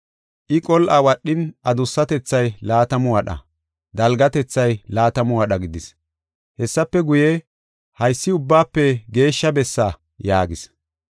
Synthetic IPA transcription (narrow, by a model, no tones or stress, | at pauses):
ʔɪkʼɔlʔɐwɐɗːɪnʔɐd̪ʊsːɐt̪ɛt͡sːɐjlaːt̪ɐmʊwɐɗɐ̰ | d̪ɐlɡɐt̪ɛt͡sːɐjlaːt̪ɐmʊwɐɗɐɡɪd̪ɪs | hɛsːɐpːɛɡʊje | hɐjsːɪʊbːaːpːɛɡe̞ːʃːɐbɛsːa | jaːɡɪs